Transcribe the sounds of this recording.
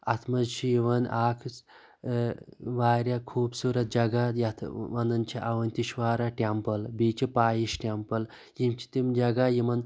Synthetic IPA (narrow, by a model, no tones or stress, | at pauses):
ɐt̪ʰmɐzt͡ʃʰijiʋɐnʔaːkʰt͡s | ʋaːɾʲjakʰuːbsuːɾɐt̪̚d͡ʒɐɡajɐt̪ʰʋɐnɐnt͡ʃʰiʔɐʋɐnʲt̪iʃʋaːɾaːʈʲampɐlbiːt͡ʃʰipaːjiʃʈʲampɐl | jimt͡ʃʰi̥t̪imd͡ʒɐɡajimɐn